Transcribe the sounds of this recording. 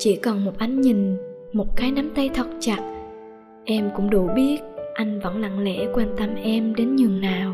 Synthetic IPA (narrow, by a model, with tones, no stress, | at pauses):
t͡ɕḭ˧˥kɔ˨˩nmo˨˩t̚ʔa˧jŋ̟ɲï˨˩ŋ̟ | mo˨˩t̚kaː˨˦jna˨˦mt̪ə˧jt̪ʰə˨˩t̚t͡ɕa˨˩t̚ | ʔɛ˧mkʊ̰˧˥ŋ͡mɗṵ˧˩ɓi˦˥ət̚ʔa˧jŋ̟və̰˧˥nla̰˧˨ŋlɛ̰˧˥kwɛ˧nt̪ə˧mʔɛ˧mɗe˨˦nɲɨ˨˩ŋnaː˨˩w